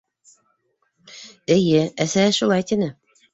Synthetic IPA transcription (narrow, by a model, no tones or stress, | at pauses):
ɘ̆jɘæsæʃulˠɑjt̪inɘ